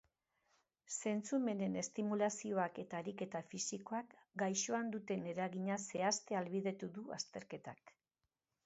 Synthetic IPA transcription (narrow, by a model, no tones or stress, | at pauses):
se̞nt͡sume̞ne̞ne̞st̪imulasio̞ake̞t̪aeɾike̞t̪afisiko̞akɡajʃo̞and̪ut̪e̞ne̞ɾaɣiɲase̞ast̪e̞alβiðe̞t̪uðua̰st̪e̞ɾke̞t̪ak